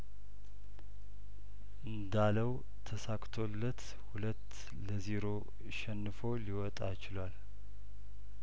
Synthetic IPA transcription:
ʔɨnd̪aləw | t̪ʰəsakʼt̪ʰo̞lːət̪ | hulət̪ː | ləziɾo̞ | ʃɛnːɨfo̞liwɔt̪ʼajt͡ʃɪlwal

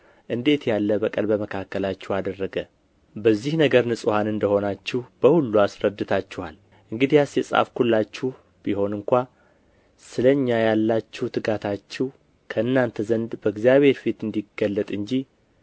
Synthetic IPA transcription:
ʔɨnd̪e̞t̪jalːəbəkʼəlbəməkʰakːəlat͡ʃːɛwad̪ərːəɡə | bəzːihnəɡəɾnɨsʼhanɨnd̪əho̞nat͡ʃːɪhb̥əhulːuasɾəd̪ːɨt̪ʰat͡ʃːɛhal | ʔɨŋɡɨd̪ijasjɛsʼa̰fkʰulːat͡ʃːɪh | b̥iho̞nɨŋkʷa | sɨləɲːajalːat͡ʃːɪht̪ʰɨɡat̪ʰat͡ʃːɪh | kʰəɨnːant̪ʰəzənd̪bəɨɡzijaβe̞ɾfit̪ɨnd̪iɡəlːət̪ʼɨɲd͡ʒih

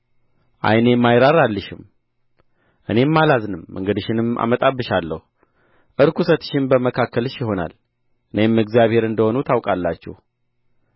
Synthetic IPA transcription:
ʔa̰jne̞mːajɾaɾalːɨʃɪm | ʔɨne̞mːalaznɨmːɨ̰ŋɡɨd̪ɨʃɪnɨma̰mət̪ʼabːɨʃalːə̰hu | ʔɨɾkʰusət̪ʰːɨ̥ʃɪnbəməkʰakːəlɨʃjɪho̞na̰l | ʔɨne̞mːɨɡzijaβhe̞ɾɨnd̪əho̞nut̪ʰawkʼalːat͡ʃːɛ̰h

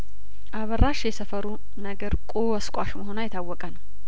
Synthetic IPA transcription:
ʔaβəraʃjɛsəfəɾu | nəɡəɾkʼowəskʷʼaʃməɦo̞najɛt̪ʰawːɔkʼənəw

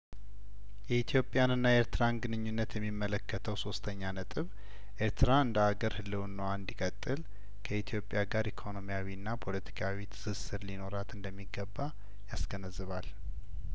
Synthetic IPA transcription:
jɛit̪ʰjo̞pʼːjanɨnːajeɾt̪ʰɨɾanɡɨnɨɲːunːət̪jɛmːimːələkʰːət̪ʰəwso̞st̪ʰəɲːanət̪ʼɨβ | ʔeɾt̪ʰɨɾaɨnd̪əaɡəɾhɨlːɨnːəwand̪ikʼət̪ʼːɨl | kʰəit̪ʰijo̞pʼːjaɡaɾikʰo̞no̞mijawiɨnːapʰo̞lət̪ʰi̥kʰawit̪ʰɨ̥sɨsɨɾlino̞ɾat̪ɨnd̪əmːiɡəbːa | jasɡənəzːɨβal

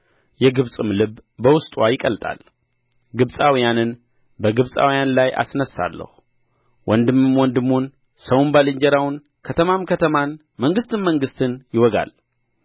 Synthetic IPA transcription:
jɛɡɨβsʼɨmlɨβbəwʊst̪ʼwajɪkʼəlt̪ʼa̰l | ɡɨβsʼawijanɨn | bəɡɨβsʼa̰wijanlajʔa̰snəsːa̰lːə̰hu | wʔɔnd̪ɨmːɨmwɔnd̪ɨmːun | səwnbalɨɲd͡ʒɛɾawʊn | kʰət̪ʰəmamkʰət̪ʰəman | məŋɡɨst̪ɨnməŋɡɨst̪ʰɨnjɪwɔɡa̰l

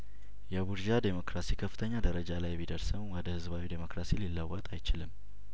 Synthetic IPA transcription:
jɛbuɾd͡ʒad̪emo̞kɾasikʰəfːɨt̪ʰəɲːad̪əɾəd͡ʒalajbid̪əɾsəmwɔd̪əhɨzβawid̪emo̞kɾasililːəwːɔt̪ʼajt͡ʃɪlɨm

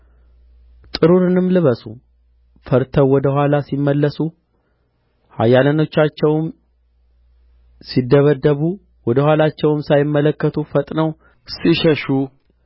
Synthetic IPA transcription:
t̪ʼɨɾuɾɨnɨmlɨβəsṵ | fəɾt̪ʰəwwɔd̪əhʷwʷalasimːəlːəsu | ha̰jːaləno̞t͡ʃːat͡ʃːɛwm | sid̪ːəβəd̪ːəβu | wɔd̪əhʷalat͡ʃːɛwɨmsajɪmːələkːət̪ʰufət̪ʼnəw | siʃəʃu

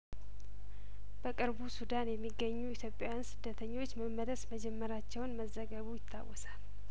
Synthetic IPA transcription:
b̥əkʼɨɾbusud̪anjɛmːiɡːəɲːujɪt̪ʰjo̞pʼjajansɨd̪ːət̪ʰəɲːo̞t͡ʃːməmːələsməd͡ʒɛmːəɾat͡ʃːɛwnməzːəɡəβujɪt̪ʰːa̰wːɔsḁl

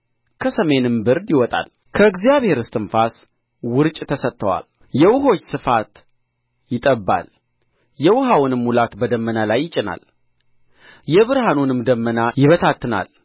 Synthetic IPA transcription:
kʰəsəme̞nɨmbɨɾd̪jɪwɔt̪ʼa̰l | kʰəɨɡzijaβhe̞ɾɨst̪ʼɨnfas | wʊɾt͡ʃʼt̪ʰəsət̪ʰːəwa̰l | jɛwʊɦo̞t͡ʃːsɨfat̪ | jɪt̪ʼəbːa̰l | jɛwʊɦawnɨmhulat̪bəd̪əmːənalajːɪt͡ʃʼːɪna̰l | jɛβɨɾhanunɨmd̪əmːənajɪβət̪ʰat̪ʰːɨna̰l

